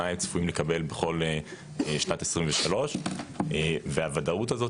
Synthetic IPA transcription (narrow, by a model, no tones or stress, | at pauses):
aimt͡sfuimlekabe̞lbeχo̞le | ʃnat̪esʁimveʃalo̞ʃʔeveavadautazo̞t